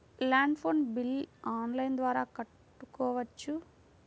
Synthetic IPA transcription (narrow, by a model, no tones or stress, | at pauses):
laːɳɖpʰoːnbilːaːnlɐjnd̪ʋaːɾaːkɐʈːukɔːʋɐt͡ʃːu